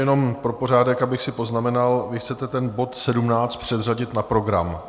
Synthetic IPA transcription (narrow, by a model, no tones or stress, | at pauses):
ɛno̞mpɾo̞po̞r̝aːdɛkabɪxsɪpo̞znamɛnalvɪxt͡sɛt̪ɛt̪ɛnbo̞t̪sɛdumnaːt͡st̪̚pr̝̥ɛd̪r̝aɟɪt̪napɾo̞ɡɾa̰m